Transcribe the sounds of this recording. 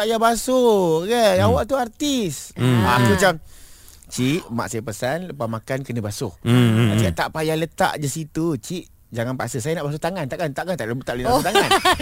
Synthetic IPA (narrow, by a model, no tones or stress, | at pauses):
aʔjabasoɡəjawaʔt̪uart̪isakut͡ʃam | t͡ʃiʔma̰ʔsajapəsanləpamakankənə̃basohaikat̪aʔpajalət̪a̰ʔdəsit̪ut͡ʃiʔ | d͡ʒaŋanpasəsajanaʔbas̬ut̪aŋant̪aʔkant̪aʔkant̪aʔləbut̪aʔlənabt̪aŋan